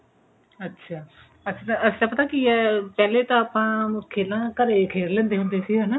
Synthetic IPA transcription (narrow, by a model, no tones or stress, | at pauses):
ətːʃʰaː | əsĩːt̪ãəsĩːt̪ãpət̪aːkɪɛːpɛːleːt̪ãaːpãːkʰeːlãːkəɾeːkʰeːɽlɛ̃ːnd̪eːɦʊnd̪eːsiːɦɛːnaː